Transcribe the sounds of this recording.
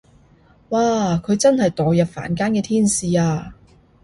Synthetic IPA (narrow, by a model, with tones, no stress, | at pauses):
waː˨˧kʰɵ˨˧ɥt͡sɐ˥nhɐ˨jt̪ɔː˨jɐ˨p̚fa̰ː˨˩nkaː˥nkɛː˧t̪ʰiː˥nsiː˨aː˧